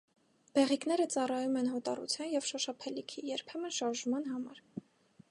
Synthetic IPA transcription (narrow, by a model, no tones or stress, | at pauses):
b̥ɛʁiknɛɾət͡sɑrɑjumɛnɦɔt̪ɑ̰rṵt͡sʰjɑnjɛvʃɔʃɑpʰɛlikʰijɛɾpʰɛmənʃɑɾʒmɑn̪ɦɑmɑɾ